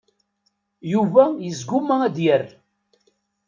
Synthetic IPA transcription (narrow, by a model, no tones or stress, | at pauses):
juvæjəzɡumææd̪jər